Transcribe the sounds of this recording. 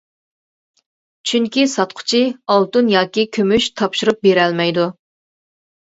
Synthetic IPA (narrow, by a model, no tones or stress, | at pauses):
t͡ʃʰyŋkʲisɑt̪̚qʰʊ̥t͡ʃʰiɑlˠt̪unjɑːkʲikʲʰømyʃt̪ʰɑpʃuɾup̚beɾɛlmɛjd̪u